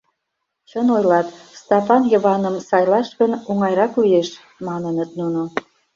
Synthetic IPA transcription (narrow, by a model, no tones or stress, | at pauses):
t͡ɕənojlɑt̪st̪ɑpɑnjəβɑnəmsɑjlɑʃkənuŋɑjɾɑklyjeʃ | mɑnənət̪nuno